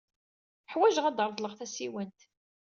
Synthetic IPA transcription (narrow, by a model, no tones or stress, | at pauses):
ħwæʒəʁæd̪əɾˤðˤləʁθæsiwənt̪